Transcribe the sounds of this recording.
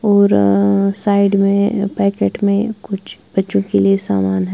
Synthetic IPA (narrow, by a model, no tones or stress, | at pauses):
ɔːɾsaːɪɖmẽpɛːkeːʈmẽkʊt͡ʃʰb̥ɐtːʃõkeliesa̰ːmaːnɦɛ